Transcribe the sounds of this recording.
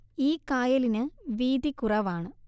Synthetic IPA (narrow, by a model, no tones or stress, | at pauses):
iːkaːjɐlinɨʋiːd̪ikurɐʋaːɳɨ